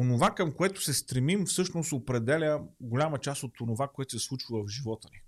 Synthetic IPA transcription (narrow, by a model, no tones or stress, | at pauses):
onovakəmkoɛt̪ʊ̥sɛst̪ɾɛmimfsɤʃnosopɾɛd̪ɛlʲəɡolʲamət͡ʃast̪ot̪onovakoɛt̪osɛslˠut͡ʃivˠəvʒivɔt̪əni